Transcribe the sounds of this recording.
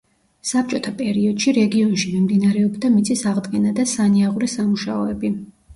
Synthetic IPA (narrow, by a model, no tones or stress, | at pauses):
sap̚t͡ʃʼɔt̪ʰapʼɛɾiɔd̪̥ʃiɾɛɡiɔnʃimimd̪inaɾɛɔbd̪amit̪sʼisaʁd̪ɡɛnad̪asaniaʁuɾɛsamuʃaɔɛbi